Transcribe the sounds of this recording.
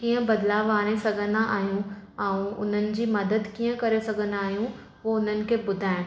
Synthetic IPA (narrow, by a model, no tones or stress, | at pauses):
kiːə̃bɐd̪laːʋaːɽ̃esɐɡʱə̃nd̪aʔaːɦijũɛ̃ũʊ̰n̤ənɪ̆d͡ʑiːmɐd̪əd̪kiːə̃kɐɾesɐɡʱə̃nd̪aːɦijũ | ʋoʊn̤ənɪ̆kʰebʊd̪ʱaːɪ̃